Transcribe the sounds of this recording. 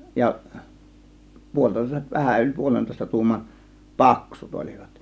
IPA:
jɑ puolʲtoˑe̝s ʋæhæn ylʲ puolentoˑe̝stɑ tuːmɑn pɑksut olʲiʋ̥ɑ̥t

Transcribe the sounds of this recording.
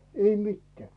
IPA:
ei mitːĕæˑ

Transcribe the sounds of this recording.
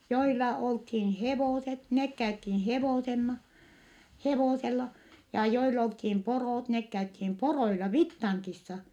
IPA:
joilɑ olthiːn heʋoˑset nek kæythin heʋoˑsenːɑ heʋoˑselːɑ jɑ joil olthim poroˑt nek kæythim poroilɑ ʋitːɑŋkisːɑ

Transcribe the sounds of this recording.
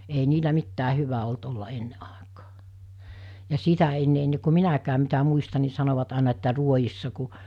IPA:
ei niːlæ mitːæː hyʋæ olt olːɑ enːe ʔɑˑekɑː jɑ sitæ enːe enːe ku minækæːm mitæ muistɑ ni sɑnoʋɑt ɑˑenɑ etːæ ruojisːɑ ku

